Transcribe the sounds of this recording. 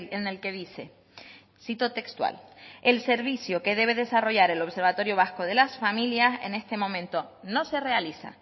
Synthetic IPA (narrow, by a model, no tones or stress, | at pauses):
lene̞lke̞ðise̞ | sit̪ot̪e̞kst̪wa̰le̞lse̞ɾβisjoke̞ðe̞β̞e̞ðe̞saro̞ʝaɾe̞lo̞βse̞ɾβat̪o̞ɾjo̞β̞asko̞ð̞e̞lasfamiljase̞̰ne̞st̪e̞mõ̞mẽnt̪o̞no̞sere̞alisa̰